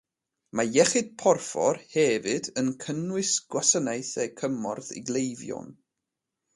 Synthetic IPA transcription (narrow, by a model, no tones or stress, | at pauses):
majɛχɨd̥̚pʰɔrfɔ̰rhɛvɨdənkʰənwɨsɡ̥wasənajθɛkʰəmɔrðḭɡlˠejvjɔ̰n